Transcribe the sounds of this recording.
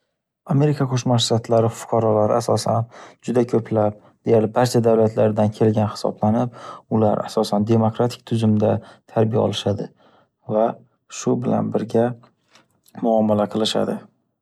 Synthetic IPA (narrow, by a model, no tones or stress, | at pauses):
ame̞ɾɪkʰakʰoʃmaʃt̪at̪ʰlaɾɪfʊ̥qʰɑɾɒlaɾɪʔasɒsa̰nd͡ʒʊd̪akʲʰɵpʰlap̚ | d̪̥ejaɾlɪbaɾt͡ʃʰad̪awlat̪ʰlaɾd̪ankʲʰe̞lɡʲanhɪ̥sɒ̰blanɪp̚ʊla̰ɾa̰sɒsand̪e̞mokɾat̪ʰɪ̥k̚ʲt̪ʰʊzʊmd̪at̪ʰaɾbija̰ɒ̰lɪʃad̪ɪ | va | ʃʊbɪla̰nbɪɾɡʲa | mʊɒmalaqʰɨlˠɪʃa̰d̪ɪ